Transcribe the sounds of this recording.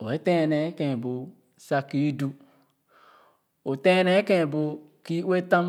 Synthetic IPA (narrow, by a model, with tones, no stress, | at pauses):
o˨e˦tẽ˦˨ne˨˦kẽ˨bo˨ | sa˦ki˦du˦ | o˨tẽ˦ne˦kẽ˦˨bo˦ | ki˦we˦tã˦m